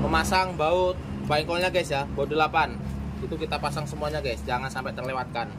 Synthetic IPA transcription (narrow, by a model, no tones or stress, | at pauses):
məmasaŋbaʊt̪̚ | baiŋkɔlɲaɡasjabaʊt̪̚dəlapan | it̪ukit̪apasaŋsəmuaɲaɡasd͡ʒaŋansampɛt̪ərlewat̪̚kan